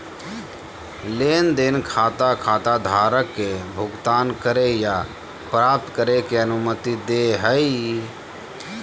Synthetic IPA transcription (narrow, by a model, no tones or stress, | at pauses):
leːnd̪enkʰaːt̪akʰaːt̪ad̪ʱaːɾəkːebʱʊɡt̪aːnkəɾeja | pɾaːp̚t̪kəɾekeənʊmət̪id̪eɦəi